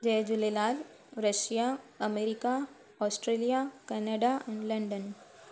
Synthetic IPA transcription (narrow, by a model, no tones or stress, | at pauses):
d͡ʒeɦd͡ʒulelaːl | ɾəʃijaəmeɾika | ɔːsʈɾelijakɛnəɖaɛnləɳɖən